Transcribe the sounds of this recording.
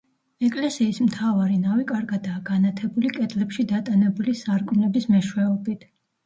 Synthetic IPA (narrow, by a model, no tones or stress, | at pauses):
ɛkʼlɛsiːsmt̪ʰavaɾinavikʼaɾɡad̪aːɡ̥anat̪ʰɛbulikʼɛt̪ʼlɛpʃid̪at̪ʼanɛbulisaɾkʼnɛbismɛʃwɛɔbit̪ʰ